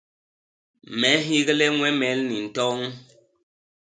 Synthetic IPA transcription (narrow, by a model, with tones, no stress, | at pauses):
mɛ˨˦ɦi˦ɣlɛ˦ŋwɛ˦mɛ˨˦lni˨n̩˨tɔ˦ŋ